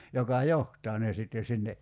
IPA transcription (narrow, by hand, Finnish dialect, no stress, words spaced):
jokɑ johtˑɑː ne sitːen̞ sinːe